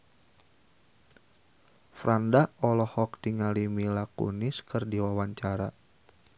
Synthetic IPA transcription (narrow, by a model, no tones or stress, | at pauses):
fɾandaɔlɔhɔk̚diŋalimilakṵnɪskɨrdiwawaɲt͡ʃaɾa